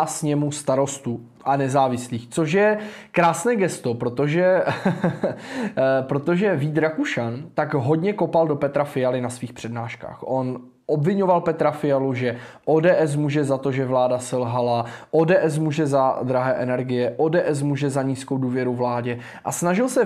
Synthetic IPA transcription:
asɲɛmust̪aɾo̞st̪u | ʔanɛzaːvɪsliːxt͡so̞ʃ̬jɛkɾaːsnɛːɡɛst̪o̞pɾot̪o̞ʒɛ | pɾot̪oʒɛviːd̪ɾakuʃant̪akɦo̞dɲɛkopaldo̞pɛt̪ɾafɪjalɪnasviːxpr̥ɛdnaːʃka̰ːxʔo̞n | ʔo̞bvɪɲo̞valpɛt̪ɾafɪjaluʒɛʔoːdɛːʔɛs̬muːʒɛzat̪o̞ʒɛvlaːdasɛlɦalaʔoːdɛːʔɛs̬muːʒɛzad̪ɾaɦɛːʔɛnɛɾɡɪjɛʔoːdɛːʔɛs̬muʒɛzaɲiːskowduːvjɛɾuvlaːɟɛ | ʔasnaʒɪlsɛ

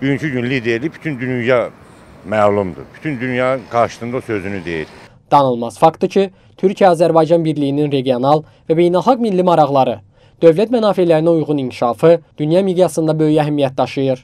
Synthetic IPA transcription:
byjynt͡ʃʰyɟynlid̪eɾlibʰy̥t̪ʰynd̪ynyjɑmæːlˠumd̪ṵby̥t̪ʰynd̪ynjɑːɡɑɾʃɯ̥sɯnd̪aosøzynyd̪ḛjḭl | d̪̥ɑnɯlˠmɑz̥fɑkt̪ɯcʰi | t̪ʰyɾcʰijæɑːzæɾbɑjd͡ʒɑnbiɾlijininɾe̞ɡijo̞nɑlˠ | væbe̞jnælˠxɑɡmilːimɑɾɑɣlˠɑɾɯ | d̪̥ø̞vlæt̪mænɑːfelæɾiniujʁunincʰi̥ʃɑːfɯd̪̥ynjɑmid̪jɑsɯnd̪ɑbø̞jæɦæmijæt̪̚d̪ɑʃɯjɯɾ

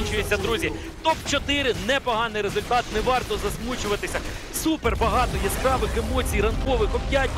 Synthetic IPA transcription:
nʲt͡ʃʊjet͡sʲːɐd̪ɾuzʲi | t̪ɔpt͡ʃɔt̪ɪɾɪnɛpɔɦɑnɪjɾezʊlʲt̪ɑt̪nɛʋɑrt̪ɔzɐzmut͡ʃʊʋɐt̪ɪsʲɐ | superbɐɦɑt̪ɔjɛspɾɑʋɪxemɔt͡sʲijɾɐnkɔʋɪxɔbʲjatʲ

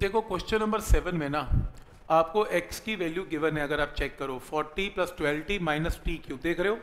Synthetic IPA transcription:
d̪eːkʰokwɛst͡ʃənːɐ̃mbəɾsɛʋənmẽna | aːpkoʔekskiʋɛːljuɡɪʋənɦɛ̃ɐɡəɾaːp̚t͡ʃɛːkːɐɾoːfɔːɾʈiplɐsʈwɛːlʈimaːɪnəsʈiːkjuːd̪eːkʰɾɐɦoː

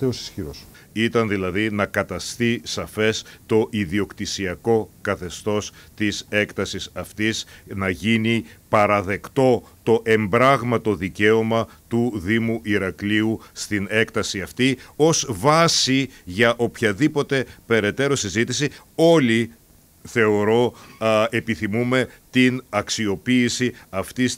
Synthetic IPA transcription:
eosi̥sçiɾos | it̪ɐnðilɐðinɐkɐt̪ɐst̪isɐfe̞st̪o̞ʔiðio̞kt̪isiɐko̞kɐθe̞st̪o̞st̪ise̞kt̪ɐsisɐft̪isnɐʝinipɐɾɐðe̞kt̪o̞t̪o̞ʔe̞mbɾɐɣmɐt̪o̞ðice̞omɐ | t̪uðimuʔiɾɐkliust̪ine̞kt̪ɐsiɐft̪io̞zvɐsiʝɐʔo̞pçɐðipo̞t̪e̞pe̞ɾe̞t̪e̞ɾo̞sizit̪isi | o̞li | θe̞o̞ɾo̞epiθimume̞t̪inɐksio̞piːsiɐft̪is

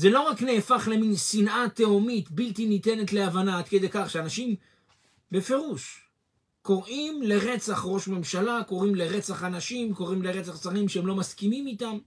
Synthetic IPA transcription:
ze̞lo̞ʁakneːfaχle̞minsinʔat̪eomit̪bilt̪init̪e̞ne̞t̪le̞avanaad̪̚ked̪e̞jkaχʃeanaʃim | be̞fe̞ʁuʃ | ko̞ʁʔimle̞ʁe̞t͡saχʁo̞ʃme̞mʃalako̞ʁimle̞ʁe̞t͡saχanaʃimko̞ʁimle̞ʁe̞t͡saχt͡saʁimʃeemlo̞maskimimitam

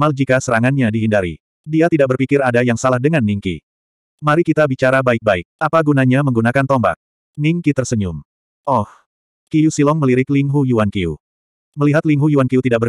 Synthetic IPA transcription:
mald͡ʒikasəɾaŋanɲadiɦindaɾḭ | diat̪idaʔ̚bərpikɪɾadajaŋsalahdəŋanːiŋkḭ | maɾikit̪abit͡ʃaɾabaɪk̚baɪk̚apaɡunaɲaməŋɡunakant̪ɔmba̰k̚ | niŋkit̪ərsəɲum | ʔɔh | kijusilɔŋməliɾɪkliŋɦujuwankiṵ | məliɦat̪liŋɦujuwankiut̪idaʔkbər

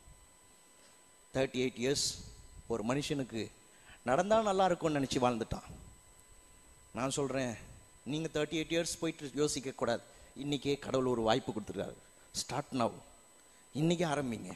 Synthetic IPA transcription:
t̪ʰɐɾʈːiɐɪʈːijɐɾsɔɾɯmɐnɪʂɐnɯkːɯ | nɐɽɐnd̪aːnɐlːaːɪɾɯkːõnɪnɛt͡ʃːɯʋaːɻnd̪ɯʈːã̰ː | nãːnsɔlɾẽː | niːŋɡɐt̪ʰɐːɾʈːiɐɪʈːijɐɾspoːjʈːɯjoːsɪkːɐkːuːɽaːðɯɪnːɪkːeːkɐɽɐʋɯlɔɾɯʋaːjpːɯkːʊɽɯt̪ːɯɾɯkːa̰ːɣɐ | sʈaːɾʈnɐʊ | ɪnːɪk̬ːeaːɾɐmbɪŋɡɐ̰

